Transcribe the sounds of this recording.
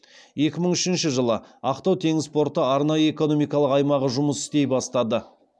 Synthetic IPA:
je̞kʲɪməɴʏʃɪnʃɪʒəlˠəɑqt̪ɑwt̪ʰe̞ŋɪzspo̞ɾt̪əɑɾnɑjəe̞ko̞no̞mijkɑlˠəqɑjmɑʁəʒʊməsɪ̥st̪e̞jbɑst̪ɑd̪ə

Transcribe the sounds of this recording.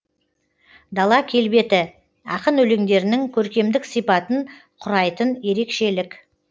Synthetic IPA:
d̪ɑlˠɑkʲʰe̞lbe̞t̪ɪ | ɑqənɵle̞ŋd̪e̞ɾɪnɪŋkʲʰɵɾkʲe̞md̪ɪksijpɑt̪əɴ | qʰʊɾɑjt̪ənje̞ɾe̞kʃe̞lɪk

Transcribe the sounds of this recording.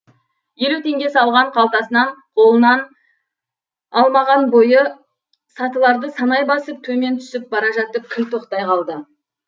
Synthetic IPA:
je̞lut̪ʰe̞ŋɡʲe̞sɑlˠʁɑɴqʰɑlˠt̪ɑsənɑɴqʰo̞lˠənɑn | ɑlˠmɑʁɑnbo̞jə | sɑt̪əlˠɑɾd̪əsɑnɑjbɑsəp̚t̪ʰɵme̞nt̪ʰʏ̥sɪp̚bɑɾɑʒɑt̪ːəp̚kʲʰɪlt̪ʰo̞qt̪ɑjqʰɑlˠd̪ə

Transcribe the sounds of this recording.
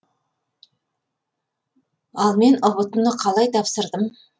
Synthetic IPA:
ɑlˠme̞nʊβət̪əmnəqʰɑlˠɑjt̪ʰɑpsəɾd̪əm

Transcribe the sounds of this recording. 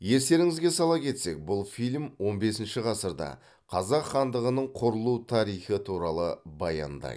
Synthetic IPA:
je̞ɾse̞ɾɪŋɪzɡʲe̞sɑlˠɑpkʲʰe̞t̪se̞k̚bʊlˠfilʲmwo̞nbe̞sɪnʃɪʁɑsəɾd̪ɑ̰ | qʰɑzɑqχɑnd̪əʁənəɴqʰʊɾəlˠut̪ʰɑɾijχət̪ʰuɾɑlˠəbɑjɑ̰nd̪ɑ̰j

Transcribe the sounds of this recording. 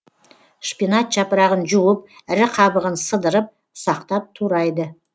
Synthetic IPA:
ʃpinɑt̪̚ʒ̥ɑpəɾɑʁənʒuwəp | ɪɾɪqʰɑbəʁənsəd̪əɾəp̚ | sɑqt̪ɑp̚t̪ʰuɾɑjd̪ə

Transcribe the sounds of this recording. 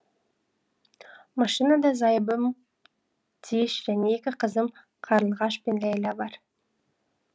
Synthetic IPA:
mɑʃinad̪ɑzɑjbəm | t̪ʰeʃʒæne̞ekʲɪqʰəzəm | qʰɑɾəlˠʁɑʃpe̞nlæjlɑbɑɾ

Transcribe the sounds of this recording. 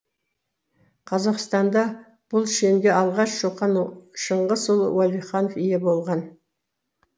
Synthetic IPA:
qʰɑzɑqst̪ɑnd̪ɑ | b̥ʊlˠʃe̞mɡʲeɑlˠʁɑʃʃoqɑnʃəɴʁəsʊlˠwalʲiχɑnofijebolˠʁɑn

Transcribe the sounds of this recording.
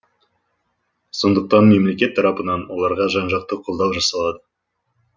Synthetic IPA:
so̞nd̪əq̚t̪ɑnme̞mle̞kʲe̞t̪ʰːɑɾɑpənɑnwo̞lˠɑɾʁɑʒɑnʒɑq̚t̪əqʰolˠd̪ɑwʒɑsɑlˠɑd̪ə

